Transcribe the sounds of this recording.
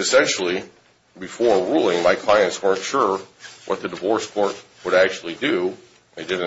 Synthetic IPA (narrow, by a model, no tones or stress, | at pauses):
ɨsɛ̃nʃl̩ˠi | bɨfɔɹɹulˠɪ̃ŋmaɪkʰl̥aɪɨ̃ntswɜ̃˞nʃʊɹwʔʌ̰t̪̚ðɨdəvɔɹskʰɔɹt̚ | wəɾæk̚t͡ʃʉl̩ˠidɨ | ðeɪdɪd̩ⁿ